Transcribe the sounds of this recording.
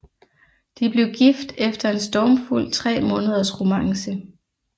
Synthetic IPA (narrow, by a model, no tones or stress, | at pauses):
d̥ib̥le̝ʊɡ̥ifd̥efd̥ɐe̝nsd̥ɒːmful̰t͡sʰʁɛ̰ːmɔ̽ːnəð̞ˠɐsʁomɑ̈ŋsə